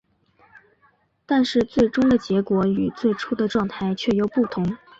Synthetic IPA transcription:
t̪a˥˧nʂɻ̩˥˧t͡swe˥˩ɪʈ͡ʂʊ˥ŋd̪ə˨t͡ɕjɛ˧˥kwɔ˧˥y˨˩t͡swe˥˩ɪʈ͡ʂʰu˥d̪ə˨ʈ͡ʂwɑ˥˧ŋt̪ʰa˥˩ɪt͡ɕʰɥɛ˥˩jo˧˥ʊpu˥˩t̪ʰʊ˧˥ŋ

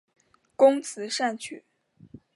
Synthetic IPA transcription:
kʊ˥ŋt͡sʰɹ̩˧˥ʂa˥˧˩nt͡ɕʰy˨˩˦

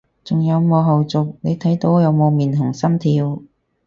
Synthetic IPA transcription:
t͡sʊ˨ŋjɐ˨˧wmɔː˨˧ɦɐ˨wt͡sʊ˨k̚ne˨˧jt̪ʰɐ˨˥jt̪o˨˥wjɐ˨˧wmo˨˧wmiː˨˩nt̪ʰʊ˨˩ŋsɐ˥nt̪ʰiː˧w

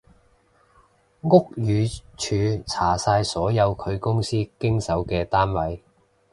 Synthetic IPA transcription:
ŋʊ˥k̚jyː˨˧t͡ʃʰyː˨˧t͡sʰaː˨˩saː˧jsɔː˨˥jɐ˨˧wkʰɵ˨˧ɥkʊ˥ŋsiː˥kɪ˥ŋsɐ˨˥wkɛː˧t̪aː˥nwɐ˨˥j

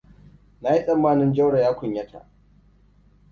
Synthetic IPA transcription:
na˦ji˦sʼɐ˨mːaː˦nɪ˦nd͡ʒɐ˦wɽa˨jaː˦kʷʊ˨ɲjɐ˦tʰa̰˨ʔ

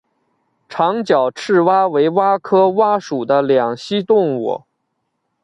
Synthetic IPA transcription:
ʈ͡ʂʰɑ˧˥ŋt͡ɕjɑ˨˩ʊʈ͡ʂʰɻ̩˥˩wa˥we˧˥ɪwa˥kʰɤ˥wa˥ʂu˨˩d̪ə˦ljɑ˨˩ŋɕi˥t̪ʊ˥˧ŋwɔ̰˨˩˦

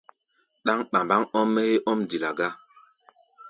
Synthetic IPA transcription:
ɗa˦ŋɓa˨mba˦ŋɔ˦mːɛ˦he˦ʔɔ˦mdi˨la˨ɡa˦

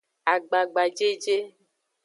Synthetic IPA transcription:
a˨ɡ͡ba˨ɡ͡ba˨d͡ʒe˦d͡ʒe˦

